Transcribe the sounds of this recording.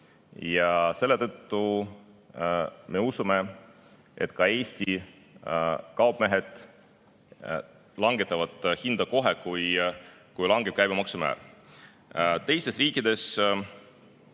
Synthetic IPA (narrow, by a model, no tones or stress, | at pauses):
jɑse̞lːe̞t̪ɤt̪ːu | me̞usume̞ | ʔe̞t̪ːˑkɑe̞ːst̪i | kɑwbme̞ɦe̞d̪̥ | lɑŋɡ̥e̞t̪ːˑɑvɑd̪̥hind̪̥ɑko̞ɦekujkujlɑŋɡ̥e̞b̥̚kæjbemɑksumæ̰ːˑḛl | t̪e̞jst̪e̞sriːkːˑid̪̥e̞s